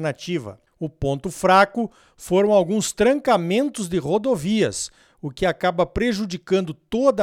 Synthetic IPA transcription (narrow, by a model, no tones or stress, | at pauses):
nat͡ʃivɐ̰ | ʊpõnt̪ʊfɾakʊ | foɾɐ̃w̃awɡũst̪ɾɐ̃ŋkamẽnt̪ʊzd̪ɪʁod̪oviɐ̰s | ʊkɪakabɐpɾeʒud͡ʒikɐ̃nd̪ʊt̪od̪ɐ